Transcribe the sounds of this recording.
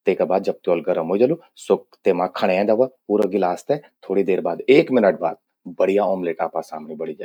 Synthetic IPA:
t̪eːkabaːd̪̚d͡ʒɐb̚t̪ɔːlɡɐɾəmɦoːd͡ʒɐlu | sʊkt̪eːmãkʰɐɽ̃eɛ̃ːd̪aʋapuːɾoɡɪlaːst̪ẽt̪ʰoːɽid̪eːɾbaːd̪eːkmɪnəʈ̚ba̰ːd̪̚ | bɐɽijaɔːmleːʈaːpasaːmnibɐɽid͡ʒaː

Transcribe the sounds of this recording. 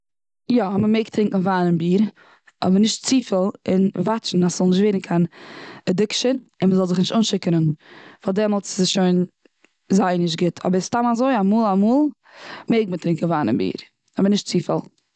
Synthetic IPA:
jɔhɔməmeɪktɾɪŋkn̩vaːnɪnbiːɾ | ɔ̰bəɾnɪʃtt͡siːfəlˠɪnvat͡ʃn̩asz̥ɔlˠnɪʃtveːɾn̩kʰanɛdɪkʃənɪnməzɔlˠzɪχnɪʃtuːnʃɪkəɾənfalˠdɛmɔlˠtsɪsʃoɪn | zaɪnɪʃ̬tɡɪtʰɔ̰bəɾstamazoɪamuːlˠamuːlˠ | meɪɡmətɾɪŋkn̩vaːnɪ̰nbḭːɾ | ɔbəɾnɪʃtt͡siːfə̰lˠ

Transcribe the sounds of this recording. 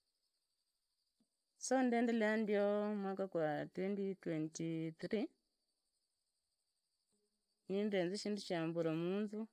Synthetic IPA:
sondɛndɛlɛandiomwakakwatwɛnditwɛntiθɾi | nindenziʃinduʃambuɾamuːnzu

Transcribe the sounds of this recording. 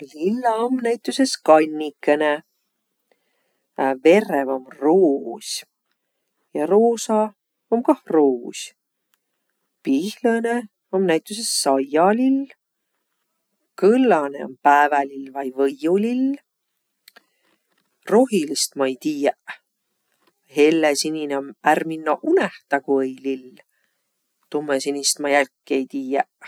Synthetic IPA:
lilːɑomnæjt̪ːˑuse̞skɑnʲːikːene | ve̞revomroːsʲ | jɑɾoːsɑ | omkɑhroːsʲ | pihlɤne | o̞mnæjt̪ˑuse̞sːɑjɑlil | kɤlːɑne̞̰o̞̰mpæːvælilvɑjvɤjulil | ro̞ɦilist̪mɑejt̪iːjæʔ | ɦe̞lːesinʲineomærminːɑʔuneht̪ɑkuejlil | t̪umːesinʲist̪mɑjælkːˑie̞jt̪iːjæʔ

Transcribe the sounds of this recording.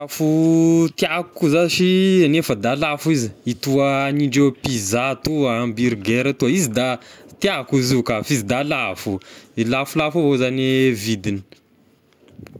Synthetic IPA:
afut̪iakkuzaʃianefəd̪alafuiziit̪uaniɳɖ͡ʐewpizat̪uambiɾɡeɾat̪uaizid̪at̪iakuizikafizid̪alafuilafulafovozanevid̪ini̥

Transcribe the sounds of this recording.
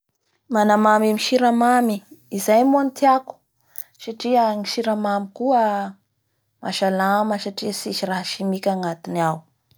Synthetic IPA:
manamamamiʃiɾamamiːzajmoant̪iaku̥ | saʈ͡ʂiəŋiʃiɾamamikuə | maʃalaməsaʈ͡ʂiəsiʃiraɦʃimikʲaŋat̪inaw

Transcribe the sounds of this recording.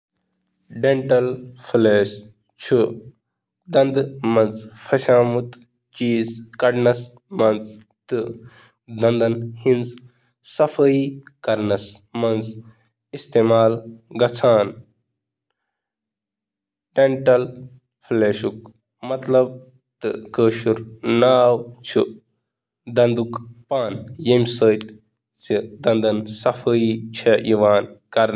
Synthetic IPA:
ɖẽɳʈɐlfleːʃ | t͡ʃʰu | d̪ɐnd̪mɐnzfʰɐʃaːmut̪ | t͡ʃiːzkɐɖnɐs | mɐnz | t̪ɨ | d̪ɐ̃nd̪ɐnhinz | sɐfʰɐikɐɾnɐsmɐnz | ist̪eːmaːlɡɐt͡sʰaːn | ʈeɳʈɐl | fʰleːʃuk̚ | mɐt̪lɐb̚ | t̪ɨkəːʃuɾnaːwt͡ʃʰu | d̪ɐnd̪ukpaːnjɐmʲsəːt̪ | sid̪ɐnd̪ɐnsɐfʰəit͡ʃʰɐʔiʋaːnkɐɾn

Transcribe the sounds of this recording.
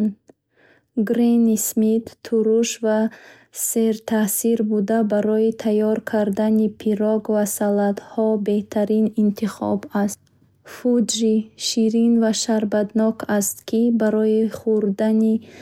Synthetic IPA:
n | ɡɾenismit̪ʰːuɾuʃva | se̞ɾt̪ʰasiɾbud̪abaɾɔit̪ʰajɔɾkʰaɾd̪anipʰiɾɔɡvasalad̪hɔbe̞ht̪ʰaɾinint̪ʰiχɔ̰bast̪ | fud͡ʒɾiʃiɾinvaʃaɾbad̪nɔkʰast̪kʰibaɾɔiχuɾd̪ani

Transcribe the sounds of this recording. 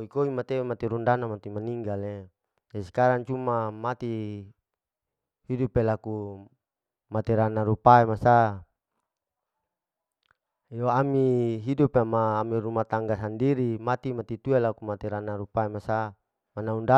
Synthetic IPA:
koikoimat̪eemat̪iɾundanamat̪imaniŋɡale | d͡ʒasi̥kaɾaŋt͡ʃumamat̪i | hidupelaku | mat̪iɾanaɾupaemasa | joamiɦidupemaːmiɾumat̪aŋɡasandiɾimat̪imat̪it̪uelakumat̪iɾanaɾupaemasa | manaunda

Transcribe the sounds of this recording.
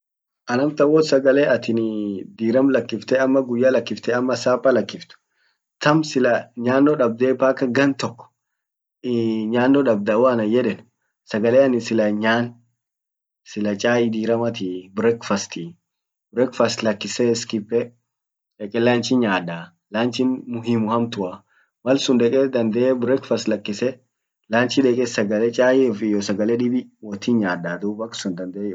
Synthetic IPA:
ʔɐnɐmt̪ɐwɔt̪sɐɡɐleːʔɐt̪ɪnd̪iːɾɐmlɐkːɪft̪ɛɐmːɐɡʊjːaːlɐkːɪft̪ɛɐmːɐsaːpːɐlɐkːɪft̪ʊ̥ | t̪ɐmsɪlɐɲaːnːɔᶑɐb̚d̪eːpaːkːɐɡɐnt̪ɔkːɔ̥ | ɲaːnːɔᶑɐb̚d̪ɐwɐnɐjɛᶑɛn | sɐɡɐleːɐnɪsɪlɐɲaːn | sɪlɐt͡ʃʼaːjɪd̪iːɾɐmɐt̪ibɾɛkfɐst̪i | bɾɛkfɐst̪lɐkːɪsɛskɪpːɛ | ᶑɛkʼɛlaːnt͡ʃɪɲaːᶑa | laːnt͡ʃɪnmʊɦimʊhɐmt̪ʊɐ | mɐlsʊnᶑ̪ɛkʼɛd̪ɐnd̪ɛɛbɾɛkfɐst̪lɐkːɪsɛ | laːnt͡ʃɪᶑɛːkʼɛsɐɡɐlɛt͡ʃʼaːjɪfɪjɔsɐɡɐlɛᶑɪbɪwɔt̪ːinɲaːdaːd̪uːbɐksʊnd̪ɐnd̪ɛ

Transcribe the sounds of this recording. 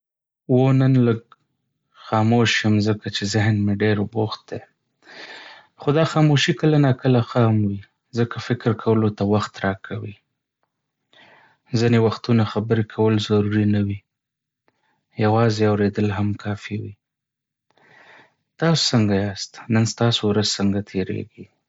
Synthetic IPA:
wonənləɡ | xɑmoʃjəmzəkat͡ʃezɪɦnmeɖeɾboxt̪̚d̪e | xod̪ɑxɑmoʃikəlanakəlaxɑmwi | zəkʰafɪkɪɾkʰawəlot̪awaxt̪ɾɑkʰawi | zinewaxt̪unaxabəɾekʰawəlzaɾuɾinawi | jawɑzeawɾed̪əlɦamkʰɑfiwi | t̪ɑso̥səŋɡajɑst̪nənst̪ɑsowɾazsəŋɡat̪ʰeɾḛɡi

